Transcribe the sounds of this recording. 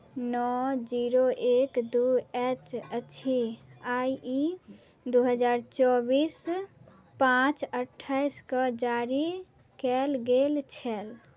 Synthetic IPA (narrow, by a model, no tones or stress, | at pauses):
nɔd͡ʒiɾoʔekd̪uet͡ʃət͡ʃʰiaji | d̪uɦəd͡ʒaɾt͡ʃɔbis | pãt͡ʃəʈʰːaɪskəd͡ʒaɾi | kɛlɡelt͡ʃʰɛl